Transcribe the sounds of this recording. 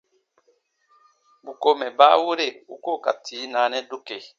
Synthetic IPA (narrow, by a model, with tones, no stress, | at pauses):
bu˨ko˦mɛ˨ba˦wu˦ɾe˦˨u˦ko˦˨ka̰˨tʰiː˨˦na˨˦nɛ˦du˦ke˨